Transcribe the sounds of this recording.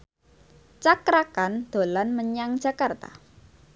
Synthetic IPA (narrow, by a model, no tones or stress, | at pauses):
t͡ʃakɾakand̪̥o̤lanməɲaŋ̥ʒ̥a̤kart̪a̰